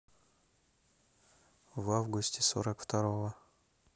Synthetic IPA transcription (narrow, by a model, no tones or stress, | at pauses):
vavɡʊsʲtʲɪso̰ɾəkft̪ɐɾovə